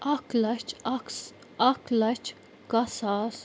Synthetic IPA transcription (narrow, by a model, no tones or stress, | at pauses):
ɐklɐt͡ʃks | ɐklɐt͡ʃ | kasaːs